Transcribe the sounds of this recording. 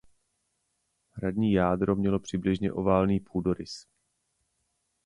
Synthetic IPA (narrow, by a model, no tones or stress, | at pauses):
ɦɾadɲiːjaːdɾo̞mɲɛlo̞pr̥ɪblɪʒɲɛ̰ʔo̞vaːlniːpʰuːdo̞ɾɪs